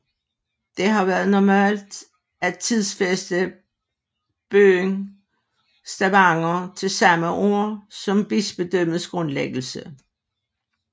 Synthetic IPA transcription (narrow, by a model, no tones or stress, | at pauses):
d̥e̝ɦɑ̈ʋæːɐð̞̩ˠnɒmæ̰ːld̥ | æt͡sʰiðˠsfesd̥ə | b̥øːŋ | sd̥æʋɑ̈ŋɐt͡sʰe̝lsɑ̈məʔo̝ɐ̰sɒ̽mb̥isb̥e̝d̥øm̰ð̩ˠsɡ̥ʁɔ̽nleɡ̥l̩sə